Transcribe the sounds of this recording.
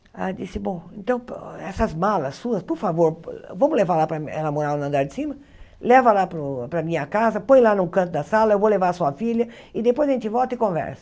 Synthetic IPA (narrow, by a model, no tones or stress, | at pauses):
a̰d͡ʒisɪbõw̃ẽnt̪ɐ̃w̃pɛsɐzmalɐsːuɐspoɾfavoɾvɐ̃mʊzlevaɾlapɾɐɛ̰lɐmoɾawnɐ̃nd̪aɾd͡ʒɪsĩmɐ | lɛvɐlapɾʊpɾɐmĩɲɐkazɐpõj̃lanũkɐ̃nt̪̬ʊd̪ɐsalɐewvowlevaɾɐsuɐfilɐ | ɪd̪epojzɐẽnt͡ʃɪvɔwt̪ɐɪkõvɛ̰ɾsɐ̥